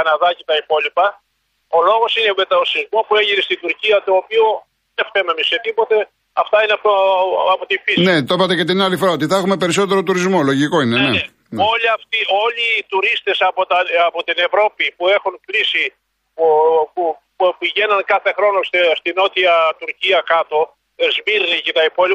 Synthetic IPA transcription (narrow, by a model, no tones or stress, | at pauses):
ɐnɐðɐcet̪ɐipo̞lipɐ | o̞lo̞ɣo̞sinemet̪ɐosizmo̞pueʝinest̪id̪uɾciɐt̪o̞ːpio | efkememiset̪ipo̞t̪e̞ | ɐft̪ɐineɐft̪oɐpot̪ifisnet̪opɐt̪ecet̪inɐlifoɾaot̪iθɐexumepe̞ɾiso̞t̪eɾot̪uɾizmo̞lo̞ʝiko̞inenee | oliɐft̪io̞liːt̪uɾist̪e̞sɐpot̪ɐɐpot̪ine̞vɾo̞pipue̞xunklisi | popu | piʝe̞nɐnkɐθe̞xɾo̞no̞sst̪ino̞t̪iɐt̪uɾciɐkɐt̪o̞ | ezmiɾnicet̪ɐipo̞li